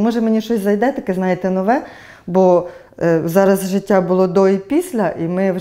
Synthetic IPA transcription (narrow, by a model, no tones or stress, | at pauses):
mɔʒɛmenʲiʃɔsʲzɐjd̪ɛt̪ɐkɪznɑjet̪ɛnɔʋɛ | bɔ | zɑɾɐzʒɪtʲːabʊlˠɔd̪ɔipʲisʲlʲɐʔimɪw